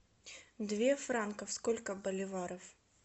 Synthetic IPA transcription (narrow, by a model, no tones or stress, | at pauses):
d̪vʲefɾankəfskolʲkəbəlʲɪvaɾəf